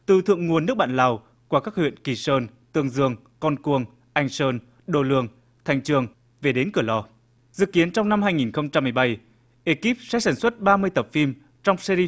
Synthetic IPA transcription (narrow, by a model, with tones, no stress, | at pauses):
t̪ɨ˨˩t̪ʰɨ̰˧˨əŋŋu˨˩ənː˦˥ək̚ɓa̰ː˧˨la˨˩w | ku˧˩kaː˦˥k̚hwḭ˧˨ənki˧˩səː˧nt̪ɨ˧əŋzɨ˧˩əŋ | kɔ˧nku˧əŋ | ʔa˧˩jŋ̟səː˧n | ɗo˧˩lɨ˧əŋ | t̪ʰɛ˨˩jŋ̟t͡ɕɨ˨˧˩əŋ | ve˨˩ɗe˨˦nkɨ˧˩əlɔ˧˩ | z̥ɨ̰˧˨ki˨˦ənt͡ɕɔ˧wŋ͡mna˧mɦaː˧jŋi˨˩nxə˧wŋ͡mt͡ɕa˧mːɨ˧˩jɓa˧˩j | ʔe˧˩ki˦˥p̚sɛ̰˧˥saː˧˩nswə˦˥t̚ɓaː˧mɨ˧əjt̪ə˨˩p̚fi˧m | t͡ɕɔ˧wŋ͡msɛ˧ɾi˧